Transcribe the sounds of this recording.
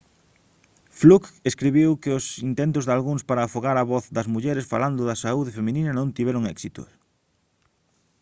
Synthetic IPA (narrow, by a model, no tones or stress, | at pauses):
flukeskɾiβiwkɪʊsint̪ent̪ʊzðalɣuŋspaɾɐːfoɣaɾɐβɔθd̪ɐzmuʎɛɾesfa̰land̪ʊðɐsauðɪfemĩninɐnõnt̪iβɛɾʊŋɛ̰ksit̪ʊ̰